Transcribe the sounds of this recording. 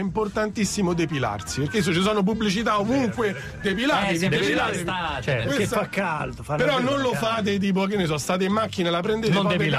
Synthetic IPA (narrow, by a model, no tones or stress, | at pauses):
import̪ant̪isːimod̪epila̰rsiperkes̬ːot͡ʃis̬ɔːnop̬ubːlit͡ʃit̪aomuŋkwe | d̪epilaːt̪ieiat̪awest̪akːald̪ofapeɾɔnːonlofaːt̪̬et̪̬iːp̬oakenːes̬ɔst̪aːt̪̬eimːak̟ːinalapɾend̪eːnonad̪eila